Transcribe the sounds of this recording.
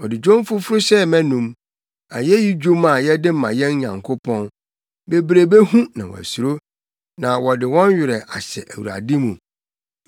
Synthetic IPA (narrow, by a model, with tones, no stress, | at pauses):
wɔ˨dɪ˨d͡ʑᶣõ˦m˦fʊ˦fʊ˦ɾʊ˦ɕɛ˦mɛ̃˦nũ˨m | a̰˨jɛ˦ji˦d͡ʑᶣu˦ma˨jɛ˦dɪ˦m̩ː˦˨ã˨jɛ̃˦nɲã̰˨ŋkʰo˦pʰɔ̃˦n | be˨bɾe˨be˦hũ˦nã̰˨wɔ̰˨æ̰˨su˨ɾo˦ | nã˨wɔ˨dɪ˨wɔ̃˦nɥɪ˨ɾɛ˨ʔa˨ɕɛ̰˨ʔæ˨wṵ˨ɾa̰˨di˦mũ˨